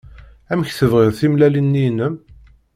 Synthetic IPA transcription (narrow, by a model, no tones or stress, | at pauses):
æməçθəvʁɪðθimlælinːinəm